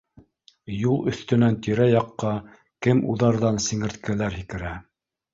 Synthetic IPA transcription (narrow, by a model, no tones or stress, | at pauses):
julˠɵ̆θt̪ɵ̆nænt̪iɾæjɑqːɑ | kɘmuðɑɾðɑnsĭŋɘ̆ɾt̪kʰælæɾhikɘ̆ɾæ